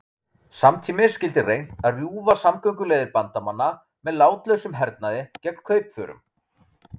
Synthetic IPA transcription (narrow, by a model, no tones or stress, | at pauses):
samt̪ʰiːmɪscɪlt̪ɪrejn̥t̪aðrjuːvasamkœɥŋk̬ʏleːjðɪɾpant̪amanːa | mɛðlaːwt̪lœɥsʏmɦɛɾt̪̚naðɪcɛkn̥kʰœːɥpfœ̰ːɾʏ̰m